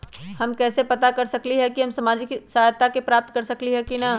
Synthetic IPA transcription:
hɐmkɛːsepɐt̪akɐɾsɐkliɦɛkiɦɐmsɐmaːd͡ʒɪksɐɦaːjt̪akepɾaːp̚t̪kɐɾsɐkliɦɛkina

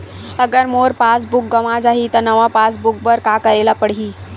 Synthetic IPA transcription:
əɡəɾmoːɾpas̬bʊk̚ɡɐʋad͡ʒaːɦit̪ənəʋapaːs̬buk̚bəɾkaːkəɾelapəɽɦiː

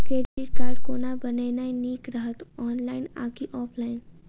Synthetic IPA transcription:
keːd͡ʒiʈkaːɾɖkoːnabəneːnainiːkɾəɦət̪ɔːnlaːɪna̰ːkiʔɔːpʰlaːɪn

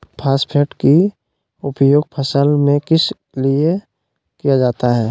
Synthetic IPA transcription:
pʰaːspʰeʈki | ʊpjoːɡ̚pʰəsəlmẽkɪs | lie | kijad͡ʒaːt̪aɦɛː

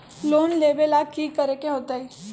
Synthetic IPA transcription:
loːnleːbelaːɡ̚kikəɾekeɦoːt̪ai

